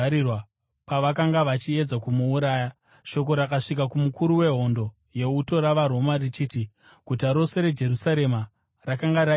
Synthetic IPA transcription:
ɾiwa | paʋakaŋɡaʋat͡ʃie̞d͡zakumuːɾaːja | ʃo̞k̬o̞ɾakaʂik̬akumukuɾuwe̞ɦo̞ndo̞ | je̞uto̞ɾaʋaɾo̞marit͡ʃiːti | kutaɾo̞se̞ɾe̞d͡ʒe̞ɾusaɾe̞ma | rakaŋɡaɾa

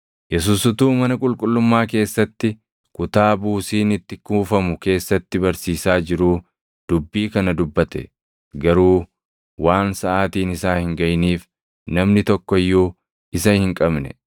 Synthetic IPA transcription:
jɛs̬uːsʊt̪uːmɐnɐkʼʊlkʼʊlːʊmːaːke̞ːsːɐt̪ːɪ | kʊt̪aːbuːsiːnɪt̪ːɪkuːfɐmʊke̞ːsːɐt̪ːɪbɐɾsiːsaːd͡ʒɪɾuː | d̪̥ʊbːiːkɐnɐd̪ʊbːɐt̪ɛ̰ | ɡɐɾuː | waːnsɐʔaːt̪iːnɪsaːhɪŋɡɐjniːf | nɐmnɪt̪ɔkːɔɪjːuː | ɪsɐhɪŋkʼɐbnɛ̰

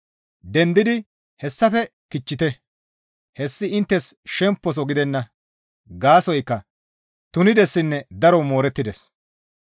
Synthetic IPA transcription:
d̪ɛnd̪ɪd̪ɪ | hɛsːɐfɛkɪt͡ʃːɪt̪ɛ | hɛsːɪɪnt̪ːɛsʃɛmpːɔs̬ɔɡɪd̪ɛnːɐ | ɡaːsɔjkːɐ | t̪ʊnɪd̪ɛsːɪnːɛd̪ɐɾɔmoːɾɛt̪ːɪd̪ɛs

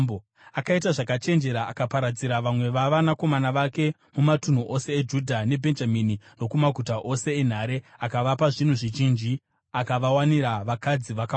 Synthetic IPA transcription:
akait̬aʐakat͡ʃe̞nd͡ʒe̞ɾaakapaɾad͡ziɾaʋamwe̞ʋaʋanako̞manaʋake̞ | mumatun̤uʔo̞se̞ːd͡ʒudʱane̞bʱe̞nd͡ʒaminino̞kumaɡʱutaʔo̞se̞ːn̤aɾe̞akaʋapaʐin̤uʐiʒind͡ʒi | akaʋawaniɾaʋakad͡ziʋaka

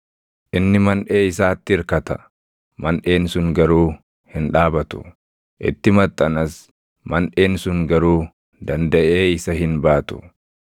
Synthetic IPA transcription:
ʔɪnːɪmɐnᶑe̞ːɪsaːt̪ːɪɪɾkɐt̪ɐ̰ | mɐnᶑe̞ːnsʊŋɡɐɾuː | hɪnᶑaːbɐt̪ʊ̥̰ | ʔɪ̰t̪ːɪmɐt̪ʼːɐnɐs | mɐnᶑe̞ːnsʊŋɡɐɾuː | d̪ɐnd̪ɐʔe̞ːɪsɐhɪnbaːt̪ʊ̥̰

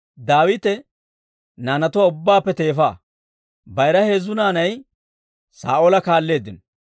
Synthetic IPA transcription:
d̪aːwɪt̪ɛ | naːnɐt̪ɔwaʊbːaːpːɛt̪e̞ːfaː | bɐjɾɐhe̞ːzːʊnaːnɐj | sa̰ːʔolɐkaːlːe̞ːd̪ːɪn

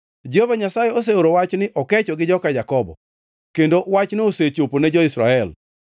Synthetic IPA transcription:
d͡ʒvaɲasajɛos̬eoɾowat͡ʃnɪʔɔkɛt͡ʃɔɡɪd͡ʒɔkajakɔbɔ̰ | kendowat͡ʃnioset͡ʃoponɛd͡ʒɔisɾa̰ɛl

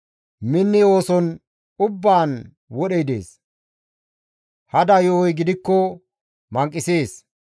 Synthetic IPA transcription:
mɪnːɪo̞ːsɔn | ʊbːaːn | wɔɗɛjd̪ḛːs | hɐd̪ɐjɔjɡɪd̪ɪkːɔ | mɐŋkʼːɪseːs

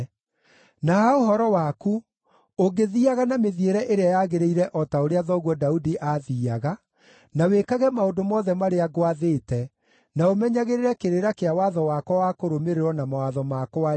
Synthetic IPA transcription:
naaoɦɔɾɔwaku | oɡeðiaɣanameðieɾɛʔeɾeajaɣeɾeiɾɛʔɔtaoɾeaðɔɣwɔdaudiʔaðiaɣa | nawekaɣɛmaondomɔðɛmaɾeaɣwaðeːtɛ | naomɛɲaɣeɾeɾɛkeɾeɾakeawaðɔwakwɔwakoɾomeɾeɾɔnamawaðɔmakɔa

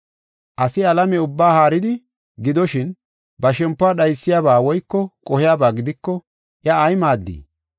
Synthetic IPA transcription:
ʔɐsɪɐlɐmɛʊbːaːhaːɾɪd̪ɪ | ɡɪd̪ɔʃɪn | bɐʃɛmpːʊaːɗɐjsːɪjaːbaːwɔjkːɔkʼɔhɪjaːbaːɡɪd̪ɪkːɔ | ʔjɐːjmaːd̪ːḭː

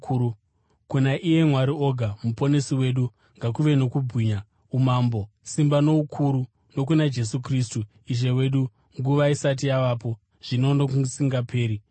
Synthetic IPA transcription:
kunaʔije̞mwaɾio̞ɡʱamupo̞ne̞siwe̞ːɗu | ŋɡakuʋe̞no̞kubʱiːɲa | umaːmbo̞ | simbano̞ukʰuɾu | no̞k̬unad͡ʒe̞sukristu | iʐe̞we̞ɗu | ŋɡuʋaisat̬ijaʋapo̞ | ʐ̥ino̞nokusiŋɡapʰe̞ːɾi

